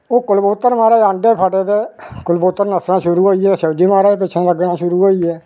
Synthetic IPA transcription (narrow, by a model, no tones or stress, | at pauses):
oːkʊlboːt̪ːəɾmaːɾeːãːɳɖeːpʰəɖeːd̪eːkʊlboːt̪ːəɾnəsɾãːʃʊɾuːɦoːiːɛːsəːd͡ʒiːmaːɾeːep̬ɪt͡ʃʰẽːləɡnãːʃʊɾuːɦoːiːɛː